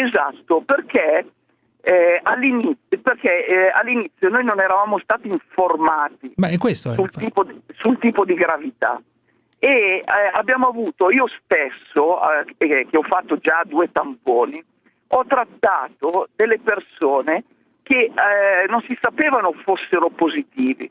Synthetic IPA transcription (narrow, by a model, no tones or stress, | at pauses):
eza̰t̪ːoperk̟e | alːinit̪sjoperkealːinit̪sːjonoːjnonɛɾavaːmost̪aːt̪iːɱformaːt̪imaɛkːwest̪sult̪iːposult̪iːpod̪iɡɾavit̪a̰ | eabjaːmoavuːt̪oiːost̪esːoak̟eɔfːat̪ːod͡ʒad̪uːet̪ampoːni | ɔt̪ːɾat̪ːaːt̪od̪elːepersoːne | k̟enonsisapeːvanofosːeɾopozit̪iːvḭ